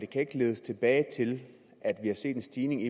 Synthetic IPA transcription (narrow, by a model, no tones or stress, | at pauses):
d̥e̝kʰæe̝ɡ̥əle̝ːð̞ˠəst͡sʰe̝b̥ɛːɪt͡sʰe̝l | ʔæd̥ʋihɑ̈se̝̰ːd̥ensd̥iːne̝ŋi